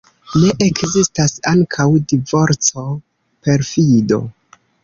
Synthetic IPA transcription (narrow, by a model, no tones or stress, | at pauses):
ne̞ʔekzistasaŋkʰawdivo̞ɾt͡so̞ | pe̞ɾfido̞̰